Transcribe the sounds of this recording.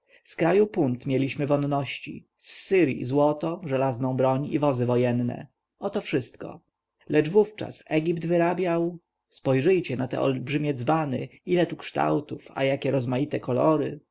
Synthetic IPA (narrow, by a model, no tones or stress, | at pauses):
skɾajupunt̪mʲjɛlʲiɕmɘvɔnːɔɕt͡ɕḭ | sːɘɾjḭzwɔt̪ɔʐɛlaznɔ̃w̃bɾɔɲḭvɔzɘvɔjɛnːɛ̰ | ɔt̪ɔfʂɘst̪kɔ̰ | lɛd͡ʐvuft͡ʂa̰sɛɡʲipd̪vɘɾabʲjaw | spɔjʐɘjt͡ɕɛnat̪ɛ̰ʔɔ̰lbʐɘmʲjɛd̪zbanɛ̰ilɛt̪ukʂt̪a̰wt̪ufa̰jakʲɛɾɔzmajit̪ɛkɔlɔɾɘ